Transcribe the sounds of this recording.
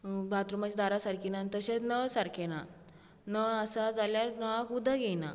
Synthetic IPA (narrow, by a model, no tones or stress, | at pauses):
bʱat̪ɾumad͡ʑid̪aɾasaɾkinant̪əɕet͡snəsaɾkʰena | nəəsad͡zaljaɾnəʋakud̪ʱaɡena̰